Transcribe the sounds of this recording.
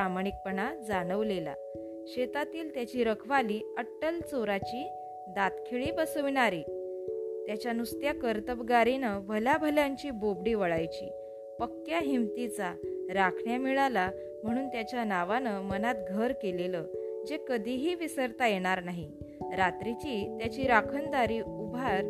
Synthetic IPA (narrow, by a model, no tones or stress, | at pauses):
amaɽ̃ik̚pəɳad͡zaɽ̃əʋlela̰ | ɕet̪at̪iːlt̪jat͡ɕiːɾəkʰʋaliːəʈːəlt͡soɾat͡ɕiː | d̪at̪kʰeɭiːbəsəʋiɳaɾiː | t̪jat͡ɕjanust̪jakəɾt̪əbɡaɾinəbʱəljabʱəljaɲt͡ɕiːbobɽiːʋəɭajt͡ɕḭː | pəkːjaɦimt̪it͡saɾakʰɳjamiɭala | m̤əɽ̃uːnt̪jat͡ɕjanaʋanəmənat̪ɡʱəɾkeleləd͡ʑekəd̪ʱiɦiːʋisəɾt̪ajeɽ̃aɾnaɦi | ɾat̪ɾit͡ɕiːt̪jat͡ɕiːɾakʰənd̪aɾiːubʱaɾ